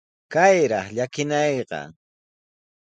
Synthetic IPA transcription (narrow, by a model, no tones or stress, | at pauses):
kajɾɑχʎakɪnɑjqɑ̰